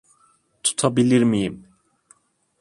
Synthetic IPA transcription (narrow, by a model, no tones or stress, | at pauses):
t̪ʰu̥t̪ʰɔbiliɾmim